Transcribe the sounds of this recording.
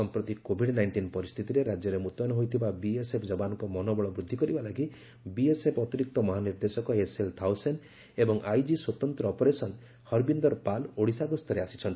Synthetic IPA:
ɔmpɾɔt̪ikobʱiɽnajɳʈinpɔɾist̪ʰit̪iɾeɾad͡ʒjɔɾemut̪ɔnɔɦojt̪ʰibabiesepʰd͡ʒɔbanɔŋkɔmɔnɔbɔɭɔbɾud̪ʱːikɔɾibalaɡi | biesepʰɔt̪iɾik̚t̪ɔmɔɦaniɾd̪esɔkɔeselt̪ʰawsen | ebɔŋʔajd͡ʒiswɔt̪ɔnt̪ɾɔːpɔɾesɔn | hɔɾbind̪ɔɾpaloɽisaɡɔst̪ʰɔɾeasi̥t͡ʃʰɔnt̪i

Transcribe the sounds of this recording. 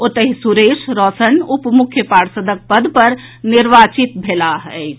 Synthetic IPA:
ot̪əɦisuɾesɾɔsənupmukʰjəpaɽsəd̪ək̚pəd̪ʱpəɾ | niɾbat͡ʃit̪̚bʱelaɦəɪt͡ʃʰ

